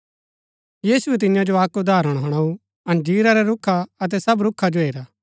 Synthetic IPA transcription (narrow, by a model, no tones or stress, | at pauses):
jiːsuɛt̪̬ɪ̃jãd͡ʒoaːkud̪ʱaːɾəɽ̃ɦɐɽ̃aːu | ɐ̃nd͡ʒiːɾaɾɛɾʊkʰaɐt̪̬ɛsɐbɾʊkʰːad͡ʒoɦeːɾaː